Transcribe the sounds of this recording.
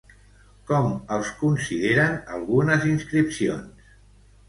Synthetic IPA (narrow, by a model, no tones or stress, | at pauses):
kɔməlˠskunsiðeɾənəlˠɣunəzinskɾipsio̰ns